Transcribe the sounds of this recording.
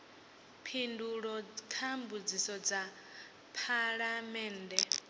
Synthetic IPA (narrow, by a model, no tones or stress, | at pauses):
pʰinduɺɔkʰambud͡zisɔd͡za | pʰaɺamɛːndɛ